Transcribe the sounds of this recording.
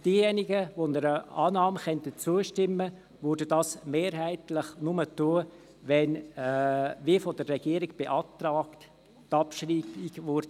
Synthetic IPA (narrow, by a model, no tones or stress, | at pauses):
d̥iːjɛnɪɡəʋonəɾəɑːnɑːməχɛntət͡suəʃtɪmːə | ʋʉːɾdədɑːsmeːɾɦæɪtlɪχnʊmətuə | ʋɛn | ʋiəfɔdərːɛɡ̥iəɾɪɡb̥eʔɑːt̪rɑːkt | tɑpʃriːbiɡvʊɾdə